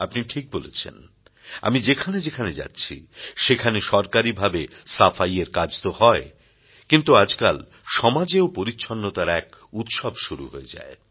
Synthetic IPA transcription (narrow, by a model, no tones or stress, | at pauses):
apniʈʰik̚bolḛt͡ɕʰḛn | a̰mid͡ʑekʰaned͡ʑekʰaned͡ʑa̰tːɕʰḭʃekʰaneʃɔɾkaɾibʱabesafajeɾkad͡ʑt̪ohɔe | kint̪uad͡ʑkal | ʃɔmad͡ʑeopoɾitːɕʰonːot̪aɾɛk̚ut̪ʃɔbʃuɾṵɦoed͡ʑa̰e